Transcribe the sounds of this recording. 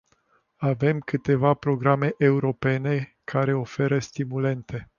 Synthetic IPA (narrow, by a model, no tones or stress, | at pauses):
ave̞mkɨt̪e̞vapɾo̞ɡɾame̞ʔeuɾo̞pe̞ne̞ | kʰaɾe̞o̞fe̞ɾəst̪imule̞nt̪e̞